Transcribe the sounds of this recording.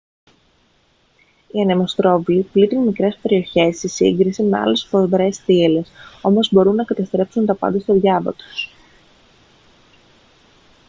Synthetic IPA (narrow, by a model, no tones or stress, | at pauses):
iɐnemo̞st̪ɾo̞vliplit̪inmikɾe̞spe̞ɾio̞çe̞st̪isiŋɡɾisime̞ɐ̰le̞sfovɾe̞sθiele̞so̞mo̞zbo̞ɾunːɐkɐt̪ɐst̪ɾe̞psunt̪ɐpɐ̰nd̪ɐst̪oðʝɐvɐ̰t̪u̥s